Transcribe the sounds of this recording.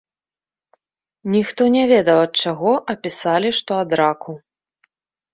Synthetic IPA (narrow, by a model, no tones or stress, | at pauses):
nʲixt̪ɔnʲɛvʲɛd̪ɐwɐt̪̚t͡ʂaɣɔʔɐpʲisalʲiʂt̪ɔad̪ɾakʰu